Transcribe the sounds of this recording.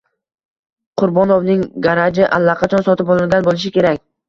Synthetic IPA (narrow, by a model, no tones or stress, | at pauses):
qʰʊɾbɒnovnɪŋɡaɾad͡ʒɪʔalˠːaqʰɑt͡ʃʰɒnsɒt̪ɪpɒlˠɪlɡʲanbolˠɪʃ̬ɪkʲe̞ɾakʲ